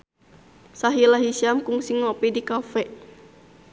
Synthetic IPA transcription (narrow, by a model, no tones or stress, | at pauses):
saɦilaɦisiamkuŋsiŋɔpidikafɛ